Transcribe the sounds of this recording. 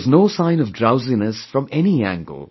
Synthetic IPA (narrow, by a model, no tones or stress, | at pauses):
znoːsãɪ̃nʌvdɹaʊzinəsfɹʌ̃mɛniæ̰̃ŋɡə̰l̩ˠ